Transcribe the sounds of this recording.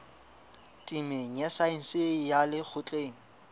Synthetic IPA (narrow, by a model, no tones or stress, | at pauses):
tʼimeŋ̩jɛsain̩sɪjalɪk͡xʰʊt͡ɬʼeːŋ̩